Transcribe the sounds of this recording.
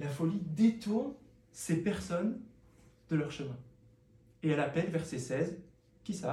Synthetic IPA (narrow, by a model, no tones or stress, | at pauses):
lafɔlid̪et̪ɔn | sepɛʁsɔn | d̪̥əlœʁʃəmɛ̃ | eɛlapɛlvɛʁsesɛz | kʲisa